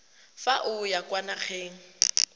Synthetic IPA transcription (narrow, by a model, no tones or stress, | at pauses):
faʔʊjakwanaχʰeːŋ̩